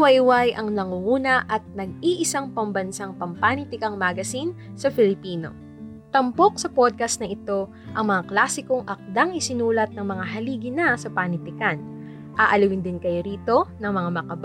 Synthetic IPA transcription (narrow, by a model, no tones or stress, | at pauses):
wɐjwajʔɐŋnɐŋuuːnɐʔɐt̪̚nɐɡ̚iʔɪsaŋpɐmbɐnsaŋpɐmpanit̪ɪkɐŋmaɡɐsin | sɐfɪlɪpiːno̞̰ | t̪ɐmpo̞k̚sɐpod̪̚kɐst̪nɐʔɪt̪o̞ | ʔɐŋmɐŋaklaːsɪkoŋʔɐk̚d̪ɐŋɪsɪnuːlɐt̪̚nɐŋmɐŋaɦɐliːɡɪnɐsɐpanɪt̪ɪkan | ʔaːʔɐlɐwɪnd̪ɪnkɐjoɾiːt̪o̞nɐŋmɐŋamɐkɐb